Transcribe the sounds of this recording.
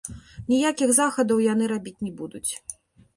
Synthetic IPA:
nʲijakʲiɣzaxɐd̪ɐwjanɨɾabʲit͡sʲnʲɛbud̪ut͡sʲ

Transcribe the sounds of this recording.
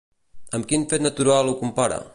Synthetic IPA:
əmkinfet̪nat̪uɾalˠukumpaɾə̰

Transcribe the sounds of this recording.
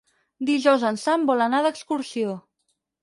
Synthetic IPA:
d̪iʒɔwzənsambɔlənaðəkskuɾsio

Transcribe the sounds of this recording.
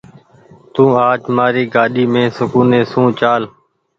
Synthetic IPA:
t̪ũːaːt͡ʃmaːɾiːɡaːɗiːmẽːsʊkuːnẽːsũːt͡ʃaːl

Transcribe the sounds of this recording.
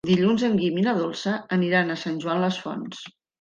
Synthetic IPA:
d̪iʎunzəŋɡiminəðolˠsəəniɾanəsanʲʒuanləsfɔ̰ns

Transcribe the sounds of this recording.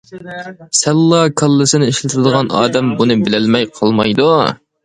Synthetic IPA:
sɛlːɑkʰɑlˠːɨsɨnɪiʃlɪt̪ʰɾɨd̪əʁɑnɑ̰ːd̪ɛmbunɨbɪlælmɛjqʰɑlˠmɑjd̪u

